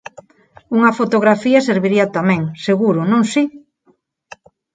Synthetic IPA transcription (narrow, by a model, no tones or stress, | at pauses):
uŋɐfot̪oɣ̞ɾafiɐseɾβiɾiɐt̪amɛ̃ŋseɣuɾʊnõŋsi